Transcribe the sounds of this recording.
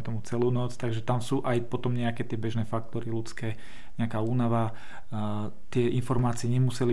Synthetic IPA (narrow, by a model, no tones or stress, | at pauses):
ɛt̪ɔmut͡sɛluːnɔt͡st̪aɡʒɛt̪amsuːʔajpɔt̪ɔmɲɛakɛːt̪ɪɛbɛʒnɛːfak̚t̪ɔɾilut͡skɛː | ɲɛakaːuːnaʋa | t̪ɪɛʔinfɔɾmaːt͡siɛɲɛmusɛli